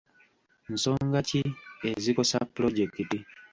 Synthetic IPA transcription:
nso̞ːŋɡacie̞ziko̞sapːɾo̞ɟekiti

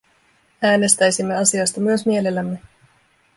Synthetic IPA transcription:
æːne̞st̪æjsimːe̞ɑsiɑst̪ɑmyø̞smie̞le̞lːæmːe̞

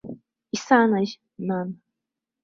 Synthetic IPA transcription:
isanaʑ | nan

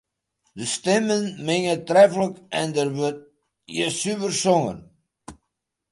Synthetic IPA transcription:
dəstɛmənmɪŋətrɛfləkɛndərʋøt̚ | jəsyʋərsɔŋə̰n

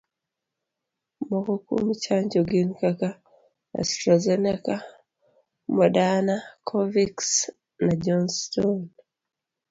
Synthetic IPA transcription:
mɔkokṵmit͡ʃaɲd͡ʒɔɡinkaka | a̰stɾazenika | mɔdanakʰɔviks | nad͡ʒɔnstɔn

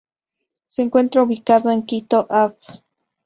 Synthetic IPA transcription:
seeŋkwent̪ɾauβikaðoeŋkit̪oʔaβ

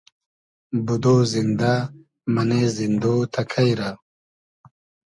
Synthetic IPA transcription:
bud̪oːzind̪a | mɐnezind̪oːt̪ʰɐkʰɐjɾa

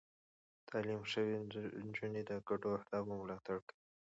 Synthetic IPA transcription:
t̪ʰɑlimʂəwind͡ʒuned̪əkaʈoahd̪ɑbəmʊlɑt̪aɽkəi

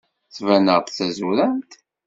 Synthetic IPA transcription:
θvænəʁt̪θæzuɾæmt̪

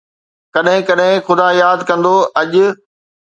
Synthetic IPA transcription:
kɐɗɦɪ̃kɐɗɦɪ̃xʊd̪aːjaːd̪kɐ̃nd̪oɐʄʊ̆

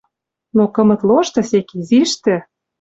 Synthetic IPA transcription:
nokɤ̆mɤ̆t̪loʃt̪ɤ̆sekiziʃt̪ɘ̆

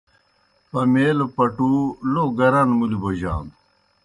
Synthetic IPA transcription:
pɐmeːlopɐʈuloːɡɐɾɐnmuliboʑa̰ːn

